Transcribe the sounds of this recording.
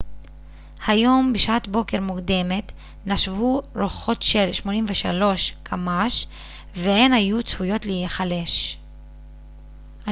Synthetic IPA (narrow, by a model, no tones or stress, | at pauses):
hajo̞mbeʃatbo̞ke̞ʁmukd̪e̞me̞t | naʃvuʁoχo̞tʃe̞lʃmo̞nimveʃalo̞ʃkʰamaʃ | veenhajut͡sfujo̞tlejeχale̞ʃ | a